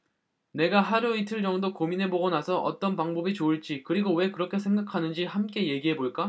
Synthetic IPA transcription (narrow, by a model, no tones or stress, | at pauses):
ne̞ɡaɦaɾuitʰɯɭd͡ʑ͈ʌŋdokominɦe̞boɡʌnasʰʌʔʌ̰t͈ʌnpaŋbʌbit͡ɕoɯɭt͡ɕ͈ikɯɾiɡowe̞kɯɾʌkʰe̞sʰe̞ŋɡakʰanɯnd͡ʑihamk͈e̞je̞ɡiɦe̞boɭk͈a